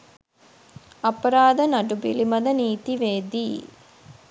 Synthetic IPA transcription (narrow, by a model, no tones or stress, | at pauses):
ɐpɐɾaːd̪ənɐɖubḭlimɐd̪ɐniːt̪iʋeːd̪iː